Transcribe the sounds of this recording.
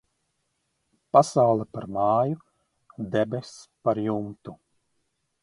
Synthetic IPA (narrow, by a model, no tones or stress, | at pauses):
pasawlˠɛpaɾmɑːju | d̪ɛbespaɾjumt̪u